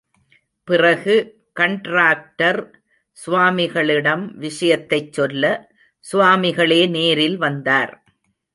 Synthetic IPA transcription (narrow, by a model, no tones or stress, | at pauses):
pɪrɐɣɯ | kɐɳʈɾaːk̚ʈɐɾ | sʊʋaːmɪɣɐɭɪɽɐmʋɪʂɐjɐt̪ːɐɪt͡ʃːɔlːɐ | sʊʋaːmɪɣɐɭeːneːɾɪlʋɐnd̪aːɾ